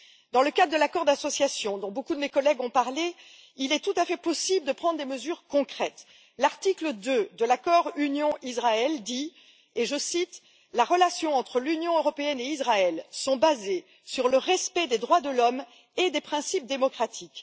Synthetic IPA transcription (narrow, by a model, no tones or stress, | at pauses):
d̪ɑ̃ləkad̪ʁd̪əlakɔʁd̪asɔsjasjɔ̃d̪ɔ̃bokud̪əmekɔlɛɡɔ̃paʁle | ilɛt̪ut̪afɛpɔsibləd̪əpχɑ̃d̪ʁd̪eməzyʁkɔ̃kχɛt̪ | laʁt̪ikləd̪ød̪əlakɔʁynjɔ̃ʔizʁaɛld̪i | eʒəsit̪ | laʁəlasjɔ̃ɑ̃t̪χəlynjɔ̃øʁɔpeɛneizʁaɛlsɔ̃baze | syʁləʁɛspɛd̪ed̪ʁwad̪əlɔm | ed̪epχɛ̃sip̚d̪emɔkχat̪ʰik